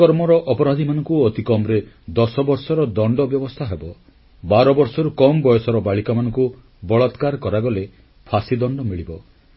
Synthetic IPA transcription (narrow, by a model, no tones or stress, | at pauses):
ɔɾmɔɾɔʔɔpɔɾad̪ʱimanɔ̃ŋkuɔt̪ikɔmɾe | d̪ɔsɔbɔɾsɔɾɔd̪ɔɳɖɔbjɔbɔst̪ʰaɦebɔ | baɾɔbɔɾsɔɾukɔmbɔjɔsɔɾɔbaɭikamanɔ̃ŋku | bɔɭɔt̪kaɾkɔɾaɡɔle | pʰasid̪ɔɳɖɔmiɭibɔ